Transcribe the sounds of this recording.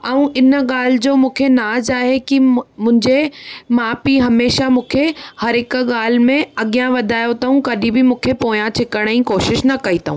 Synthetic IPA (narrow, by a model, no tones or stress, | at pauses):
ɛũʔɪnɠaːl̤ɪd͡ʑoːmũːkʰenaːd͡ʑaːɦekimʊ̃ɦɪ̃ɲd͡ʑemãːpiɦɐmeːʃamũːkʰehɐɾɦɪkɠaːl̤mẽɐɠijãʋɐd̪ʱaːjot̪ɐɦũkɐɗĩbɪmũːkʰepoːjãt͡ɕʰɪkəɽ̃əĩkoːʃɪʃnɐkɐit̪ʰɐɦũ